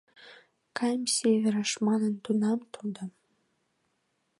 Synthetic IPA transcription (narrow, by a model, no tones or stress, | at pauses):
kʰɑjmsʲevʲeɾəʃmɑnə̆nt̪unɑmt̪ʰod̪əm